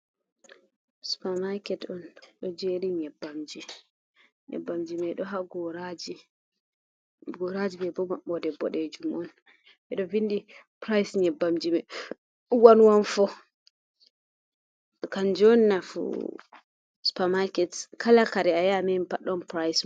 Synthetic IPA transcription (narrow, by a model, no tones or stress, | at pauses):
su̥pamakɛtɔnɗɔd͡ʒeɾiɲɛbːamd͡ʒi | ɲɛ̰bːamd͡ʒimɛɗɔɦaɡɔɾad͡ʒi | ɡɔɾad͡ʒibɛbɔmaɓɔdɛbɔ̰ɗɛd͡ʒumɔn | ɓɛɗɔvindipɾajsɲɛbːamd͡ʒimɛ | wanwanfɔ | kand͡ʒɔnːafṵ | su̥pamakɛtkʰalakaɾɛajamɛmpaɗɔnpɾajs